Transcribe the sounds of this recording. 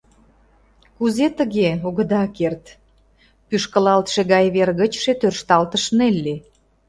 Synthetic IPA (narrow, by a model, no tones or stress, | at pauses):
kuzet̪əɣeoɣə̆d̪ɑkert̪ | pyʃkə̆lɑlt̪ʃeɣɑjβerɣət͡ɕʃet̪ørʃt̪ɑlt̪əʃnelːe